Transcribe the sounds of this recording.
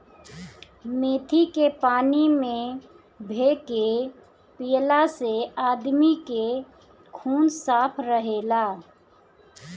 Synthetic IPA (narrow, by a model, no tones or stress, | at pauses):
meːt̪ʰikepaːnimẽ | bʱeːke | pijlaseaːd̪mike | kʰuːnsaːpʰɾəɦeːlaː